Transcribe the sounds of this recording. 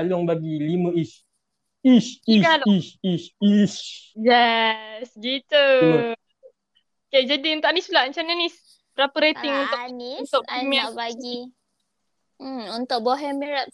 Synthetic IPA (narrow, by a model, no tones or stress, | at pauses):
alɔŋbaɡilimə̃is | iskalisisisjɛsɡit̪u | ked͡ʒadiunt̪ʊʔanisulaʔɲt͡ʃananis | bɾapəɾet̪ɪŋunt̪ʊniunt̪ʊʔmɛbaɡi | unt̪ʊʔ̚bɔɦɛmiɾap̚